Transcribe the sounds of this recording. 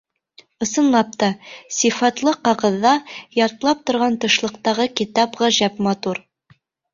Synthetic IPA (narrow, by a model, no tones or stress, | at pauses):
ɤ̆sɤ̆nlˠɑp̚t̪ɑsʲifɑt̪lˠɤqɑʁɤ̆ðːɑjɑɾt̪ɤlˠɑp̚t̪ŏɾʁɑnt̪ɤ̆ʃlˠɤ̆qt̪ɑʁɤkit̪ɑpʁɑʒæpmɑt̪uɾ